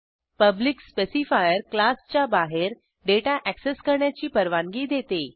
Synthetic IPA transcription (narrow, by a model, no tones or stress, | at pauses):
pəblikspesifajəɾklast͡ɕjabaɦeɾ | ɖeʈaʔækseskəɾɳjat͡ɕiːpəɾʋãŋɡiːd̪ʱet̪e